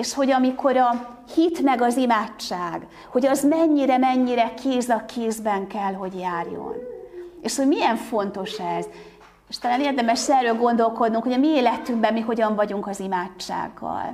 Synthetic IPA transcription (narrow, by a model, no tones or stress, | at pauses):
eːʃho̞ɟɒmikʰo̞ɾɒ | hit̪mɛɡɒzimaːt͡ʃːaːɡ | ho̞ɟɒzmɛɲːiɾɛmɛɲːiɾɛkʰeːzɒkʰeːzbɛŋkɛlɦo̞ɟjaːrjo̰neːʃho̞ɟmiɛɱfo̞nt̪o̞ʃɛz | eʃt̪ɔlaːneːrd̪ɛmɛʃɛːrːøːlɡo̞nd̪o̞lko̞d̪nuŋkho̞ɟɒmieːlɛt̪ymbɛmmːiɦo̞ɟɒɱvɒɟuŋkɒzimaːt͡ʃːa̰ːɡːɒ̰l